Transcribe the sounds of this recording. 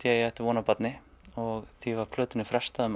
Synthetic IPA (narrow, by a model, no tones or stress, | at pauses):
jɛɛht̪ɪɾvɔːnapat̪nɪ | ɔɣθivaɾ̥pʰlœːt̪ɪnɪfɾɛ̥st̪aðʏm